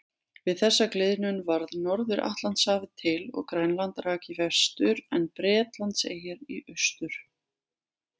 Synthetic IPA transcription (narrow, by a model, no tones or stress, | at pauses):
vɪðθɛsːaklɪðnʏnvaɾðnɔɾðʏɾʔa̰ht̪lant̪saːvɪðt̪ʰɪlɔ̰ɣkɾajnlant̪ɾaːcɪvɛ̥st̪ʏɾɛnpɾɛːt̪lant̪sḛːjɛɾiʔʏst̪ʏɾ̥